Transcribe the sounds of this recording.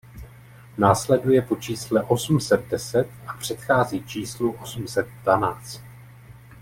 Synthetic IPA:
naːslɛdujɛpo̞t͡ʃiːslɛʔo̞sm̩sɛt̪̚dɛsɛt̪ʔapr̝̥ɛt̪xaːziːt͡ʃiːsluʔo̞sm̩sɛt̪̚dvanaːt͡st̪

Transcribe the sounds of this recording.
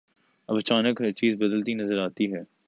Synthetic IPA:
ɐʋɐt͡ʃaːnəkɦɐt͡ʃiːzbɐd̪əlt̪inɐzəɾaːt̪iɦɛː

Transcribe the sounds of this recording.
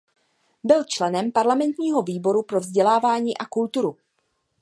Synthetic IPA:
bɪlt͡ʃlɛnɛmpaɾlamɛnt̪ɲiːɦo̞viːbo̞ɾupɾo̞vzɟɛlaːvaːɲiːʔakult̪uɾu

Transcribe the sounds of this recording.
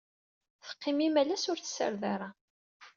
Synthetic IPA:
θə̥qːɪmimælæsʊɾθə̥sə̰ɾðaɾˤɑ

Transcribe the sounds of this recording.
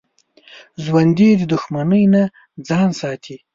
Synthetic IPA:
ʒwand̪id̪əd̪ʊxmanəjna | d͡zɑːnsɑːt̪ʰi

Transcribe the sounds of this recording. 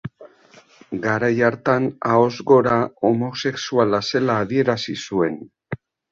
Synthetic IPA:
ɡaɾajaɾt̪anao̞zɣo̞ɾaomo̞se̞ksualase̞laːðie̞ɾasisue̞n

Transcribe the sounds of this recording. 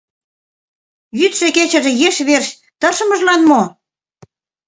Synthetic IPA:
jyt̪ʃĕket͡ɕə̆ʒĕjeʃβerɕ | t̪ɤ̆ʃɤ̆mɤ̆ʒlɑnmo

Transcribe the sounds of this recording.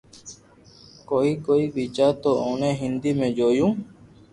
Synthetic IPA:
koːiːkoːiːbiːt͡ʃaːt̪oːoːnẽːɦɪnd̪iːmẽːd͡ʒoːjũː

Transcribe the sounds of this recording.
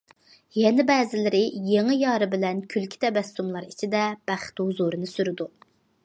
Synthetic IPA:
jɛnɪbɛːzɪlɪɾɪjeŋɪjɑːɾɨbɪlɛnkʲʰylkʲʰi̥t̪ʰɛbɛst̪umlˠɑɾit͡ʃʰid̪ɛb̥æχt̪hʊzuɾɨnɨsyɾɪd̪u

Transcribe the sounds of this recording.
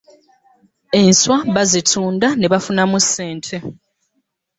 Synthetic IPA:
e̞nswaβazitʰuːndaneβafunamusːe̞ːntʰe̞

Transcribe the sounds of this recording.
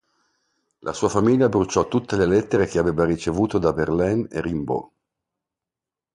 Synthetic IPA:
lʔa̰suːafamiʎːabɾut͡ʃːɔt̪ːut̪ːelelɛt̪ːeɾek̟eaveːvarit͡ʃevuːt̪od̪aberlɛnḛrimbo̰

